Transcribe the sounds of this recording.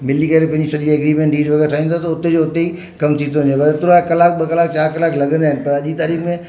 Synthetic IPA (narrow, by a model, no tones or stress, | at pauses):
mɪlikɐɾepɐ̃ɦɪ̃ɲd͡ʑisɐʄiɛɡɾiːmẽɳʈɖiːɾʋɐɡeɾʈʰaːɦĩnt̪ʰat̪ɐʊt̪ed͡ʑoʊt̪ei | kɐmt̪ʰĩt̪oɦɪ̃naːpɐɾɪt̪ɾoaekɐlaːk̚ɓɐkɐlaːkt͡ɕaːɾkɐlaːklɐɠə̃nd̪aːɦɪ̃nɪ̆pɐɾɐʄit̪aːɾiːkmẽ